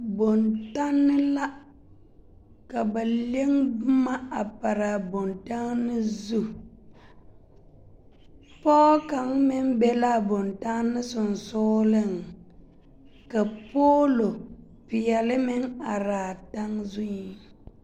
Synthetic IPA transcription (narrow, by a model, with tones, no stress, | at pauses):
bo˨nta˦nːɪ˦la˦ | ka˨ba˨le˦ŋbʊ˦ma˦a˨pa˨ɾa˨bo˨nta˦ŋnːɪ˦zu˦ | pɔ˦ka˨˦ŋmɪ˦m˦bɛ˦la˦˨bo˨nta˦ŋnːɪ˦sʊ˨n˨sʊ˦lɪ˦ŋ | ka˨poː˦lo˨ | pɪ˨jɛ˨lɪ˦mɪ˦ŋa˨ɾaː˨ta˦ŋzʊ˦ɲi˦